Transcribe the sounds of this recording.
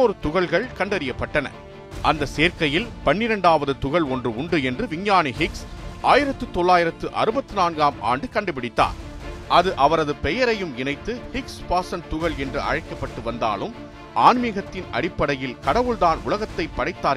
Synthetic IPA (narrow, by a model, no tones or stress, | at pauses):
oːɾɯt̪ʊɣɐɭɣɐɭkɐɳɖɐɾɪjɐpːɐʈːɐnɐ̰ | ʔɐnd̪ɐseːɾkɐjɪlpɐɳːɪɾɐɳɖaːʋɐðɯt̪ʊɣɐɭɔndrɯʊɳɖɯɛndrɯʋɪɲjaːniɦɪksʔaːjɪɾɐt̪ːɯt̪ɔɭːaːjɪɾɐt̪ːɯʔɐ̰ɾɯbɐt̪ːɯnaːnɡaːmʔa̰ːɳɖɯkɐɳɖɯpɪɽɪt̪ːa̰ːɾ | ʔɐðɯʔɐʋɐɾɐðɯpɛjɐɾɐjɯmɪnɐɪt̪ːɯhɪkspaːsɐnt̪ʊɣɐɭɛndrɯʔɐ̰ɻɐɪkːɐpːɐʈːɯʋɐnd̪a̰ːlɯm | ʔaːnmɪɣɐt̪ːɪnɐ̰ɽɪpːɐɽɐjɪlkɐɽɐʋɯɭðaːnʊlɐɣɐt̪ːɐɪpːɐɽɐɪt̪ːaː